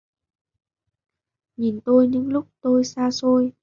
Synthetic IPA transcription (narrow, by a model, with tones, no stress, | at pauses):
ɲi˨˩nt̪o˧jɲɨ̰˧˥ŋlʊ˦˥k͡p̚t̪o˧jsaː˧so˧j